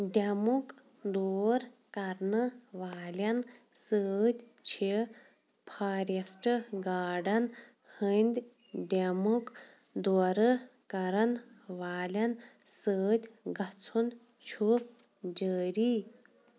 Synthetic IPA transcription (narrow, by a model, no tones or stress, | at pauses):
ɖʲɐmuk | d̪oːɾkɐɾnɨʋaːlʲɐnsəːt̪ʲ | t͡ʃʰi | pʰaːɾɐsʈɨɡaːɖɐn | hənd̪ʲ | ɖʲemuk | d̪oːɾɨkɐɾɐnʋaːlʲɐnsəːd̪ʲɡɐt͡sʰun | t͡ʃʰu | d͡ʒəːɾi